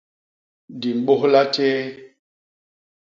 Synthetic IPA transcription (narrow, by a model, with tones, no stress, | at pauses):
di˨m˨ɓo˦ɦla˦teː˦